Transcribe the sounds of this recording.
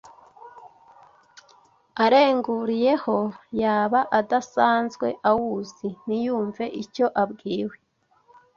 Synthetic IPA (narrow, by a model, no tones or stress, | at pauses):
aɾe̞ːŋɡuɾije̞ho̞jaːβaʔadasaːnzɡwe̞̰ʔawuzinijuːɱve̞ʔico̞ʔabɡiːwe̞